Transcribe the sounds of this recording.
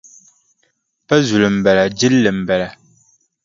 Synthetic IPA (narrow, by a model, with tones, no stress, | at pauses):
pɛ˦zu˨lɨ˨m̩˨bɛ˨la˨d͡ʒi˦lːɨ˨m̩˨bɛ˨la˨